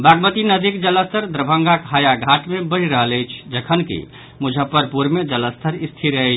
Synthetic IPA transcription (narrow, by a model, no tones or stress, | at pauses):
baɡmət̪inəd̪ʱikd͡ʒələst̪ʰəɾd̪ɾəbʱə̃ŋɡakɦajaɡʱaʈmebəɾiɾəɦələjt͡ʃʰd͡ʒəkʰənkḭ | mud͡ʒʱəpːəɾpuɾmed͡ʒələst̪ʰəɾist̪ʰiɾət͡ʃʰ